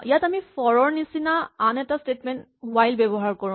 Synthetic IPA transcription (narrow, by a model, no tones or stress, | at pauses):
ijatamifɔɹɔɹnisinaːnɛtastetmɛnt | wajlbɛbɔɦaɹkɔɹũ